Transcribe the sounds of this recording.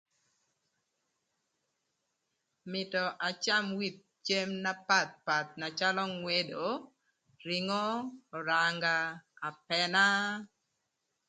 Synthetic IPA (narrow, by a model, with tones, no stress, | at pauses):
mɪ˨tɔ˨ʔa˨t͡ʃa˦˨mwi˦˨t̪̚t͡ʃe˦mna˦pa˦˨t̪̚pa˨t̪̚na˨t͡ʃa˦lɔ˦ŋwe˦do˨ | ɾi˨ŋɔː˦˨ɾa˨ŋɡaː˦˨pɛ˨na˦